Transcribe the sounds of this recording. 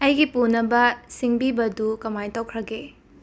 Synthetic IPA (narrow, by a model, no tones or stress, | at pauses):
ɐjɡipunɐbɐsiŋbibɐdukɐmajtowkʰɾɐɡe